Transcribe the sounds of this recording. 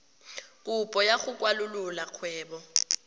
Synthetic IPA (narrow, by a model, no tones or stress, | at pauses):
kʼupʼɔjaɣʊkʼwalʊlʊlak͡xʰwɛːbɔ